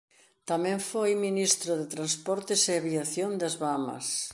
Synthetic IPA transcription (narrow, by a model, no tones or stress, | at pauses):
t̪amɛ̃ɱfojminist̪ɾʊðet̪ɾanspɔɾt̪ɪseaβiaθjond̪ɐzβamɐ̰s